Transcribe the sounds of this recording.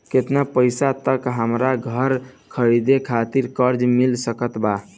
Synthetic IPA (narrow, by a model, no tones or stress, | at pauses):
ket̪napəjsat̪əkɦəmɾaɡʱəɾ | kʰəɾid̪ekʰat̪iɾkəɾd͡ʒmilsəkət̪ba